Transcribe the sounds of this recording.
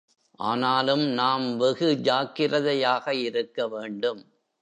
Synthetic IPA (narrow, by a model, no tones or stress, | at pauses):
ʔaːnaːlɯmnaːmʋɛɣɯd͡ʒaːkɪrɐðɐjaːɣɐɪɾɯkːɐʋeːɳɖɯm